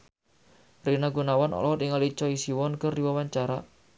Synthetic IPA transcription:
rinaɡunawanɔ̰lɔt̪iŋalit͡ʃɔisiwɔnkərdiwawaɲt͡ʃaɾa

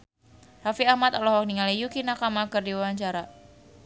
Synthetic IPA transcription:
rafiahmat̪alɔɦɔk̚niŋalijukinakamakɨrdiwawaɲt͡ʃaɾa

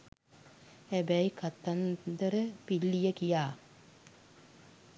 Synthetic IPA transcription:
hæbæikat̪ːand̪əɾəpilːijəkijaː

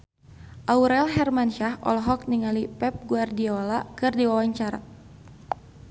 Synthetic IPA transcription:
ʔauɾɛlɦɛrmanʃahʔɔ̰lɦɔk̚niŋalipɛp̚ɡuardiolakɨrdiwawaɲt͡ʃaɾa̰t̪̚

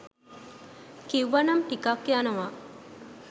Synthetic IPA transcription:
kiwʋɐnɐmʈikakːianɐʋa

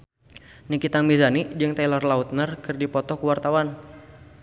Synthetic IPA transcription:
nikit̪aŋmizanid͡ʒɨŋt̪alɔrlaut̪̚nərkɨrdipɔt̪ɔkuwart̪awan

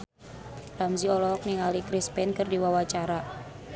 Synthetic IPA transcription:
ramziɔlɔɔk̚niŋalikɾispɛnkɨrdiwawat͡ʃaɾa

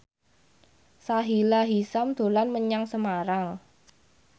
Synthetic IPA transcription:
saɦilaɦisamd̪̥o̤lanməɲaŋsəmaɾaŋ

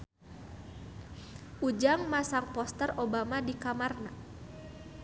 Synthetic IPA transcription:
ʔud͡ʒaŋmasaŋpɔst̪ərʔobamadikamarna

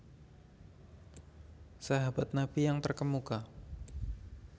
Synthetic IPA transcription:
saɦabat̪̚nabijaŋt̪ərkəmuka

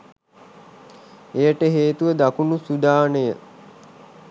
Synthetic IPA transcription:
ejəʈəɦeːt̪uʋəd̪akunusud̪aːnəjə

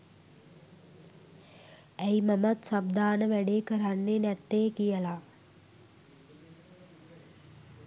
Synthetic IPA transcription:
æjmamat̪sabd̪aːnəʋæɖeːkəɾanːenɛt̪ːeːkijəla

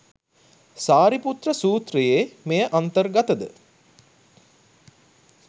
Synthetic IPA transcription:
saːɾiput̪rəsuːt̪rijeːmejəʔant̪ərɡat̪əd̪ə̰

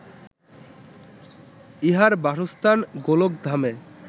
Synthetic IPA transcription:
iɦaɾbaʃost̪ʰanɡolokd̪ʱame

